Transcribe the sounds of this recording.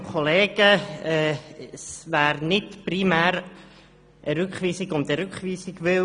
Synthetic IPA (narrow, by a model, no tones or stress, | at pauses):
kʰoleːɡ̥əɛsvæːɾnɪtprimæːɾ | ʔəɾʏkχviːsɪɡʊnt̪əɾʉkχviːsɪɡvɪ